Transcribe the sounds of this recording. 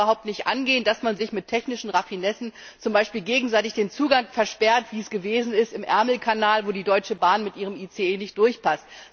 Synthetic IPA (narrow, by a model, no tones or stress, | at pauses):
ɐɦaʊp̚tnɪçtʔa̰nɡeːəndasmanzɪçmɪtʰːɛçnɪʃn̩ʁafinɛsn̩t͡sʊmbaɪʃpiːlɡeːɡŋ̩zaɪtɪçd̥eːnt͡suːɡaŋfɛɐʃpɛɐtv̥iːɛsɡ̥əveːzn̩ɪstɪmʔɛ̰ɐml̩kʰanaːlvoːdiːdɔʏt͡ʃəbaːnmɪtʔiːʁ̞əmiːt͡seeːnɪçtd̥ʊɐçpʰast